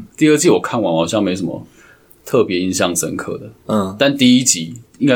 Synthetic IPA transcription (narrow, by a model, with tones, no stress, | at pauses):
t̪i˥˧ə˥˧t͡ɕi˥˨wɔ˨˩kʰa˥˩nwa˧˦nxɑ˨˩ʊɕjɑ˥˨ŋme˧˥ɪsə˨˩mə̰˦ | t̪ʰɤ˥˨pjɛ˨˦i˧nɕjɑ˥˨ŋt͡sə̰˧˦nkʰɤ̰˥˩d̪ə˩˧t̪a˥˨nt̪i˥˧i˦˥t͡ɕi˨˧˦ŋka˥˦